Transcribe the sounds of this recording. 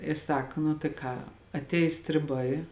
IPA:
ɪ ˈsɐk nʊ tɐɪ ˈkɑː ɐtʲˈɛɪs sʲtʲrʲɪˈbɐɪ

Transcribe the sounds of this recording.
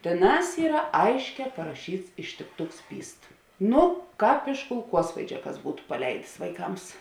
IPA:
tʲeːˈnɑːs ˈiːrɐ ˈɐɪʃʲˌkʲɛː pɐrɐˈʃʲiːts ɪʃʲtʲɪkˈtʊks ˈpʲiːst ˈnʊ ˈkɑːp ɪʃ kʊlˠˈkuɔsʋɐɪd͡ʒʲɛ kɐs ˈbuːtʊ pɐˈlʲɛɪdʲeːs ʋɐɪˈkɐms

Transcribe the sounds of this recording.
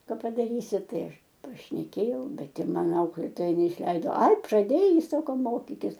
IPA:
ˈkɐ pɐdɐˈrʲiːsʲɪ ˈtɐɪ ˈɐʃ pɐʃʲnʲɛˈkʲeːjɛʊ ˈbʲɛt ɪ ˈmɐn ˈɐʊklʲeːtoːjɛ nʲɛɪʃʲˈlʲɛɪdoː ɐɪ prɐˈdʲeːjɛɪ ˈsɑːkoː ˈmoːkʲɪkʲɪs

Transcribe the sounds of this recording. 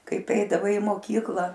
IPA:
ˈkɐɪp ˈɛɪdɐʋɐɪ ɪ moːˈkʲiːklˠɐ

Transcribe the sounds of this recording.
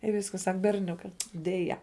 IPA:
ɪ ˈʋʲɪskɐs ˈsɐk bʲɛrʲˈnʲʊkɐ dʲɛˈjɛ

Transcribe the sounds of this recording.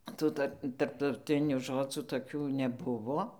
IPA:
ˈtuː tɐr tɐrptɐʊˈtʲɪnʲuː ˈʒoːd͡zuː toːˈkʲuː nʲɛˈbʊʋoː

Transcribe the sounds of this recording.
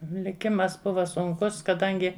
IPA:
lʲɪˈkʲɪmɐs ˈbʊʋɐ sʊŋˈkʊs kɐˈdɐŋʲɡʲɪ

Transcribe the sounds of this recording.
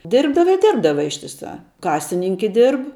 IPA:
ˈdʲɪrbdɐʋɐ ɪ ˈdʲɪrbdɐʋɐ ɪʃʲtʲɪˈsɑː ˈkɑːsʲɪnʲɪŋʲkʲɛ ˈdʲɪrp

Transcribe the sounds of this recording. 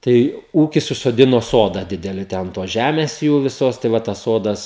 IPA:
ˈtɐɪ ˈuːkʲɪs ʊʃsoːˈdʲɪnoː ˈsoːdɐ ˈdʲɪdʲɛlʲɪ tʲɛ ɐn ˈtoːs ˈʒʲæmʲeːs ˈjuː ʋʲɪˈsoːs tɐɪ ˈʋɐ tɐs ˈsoːdɐs

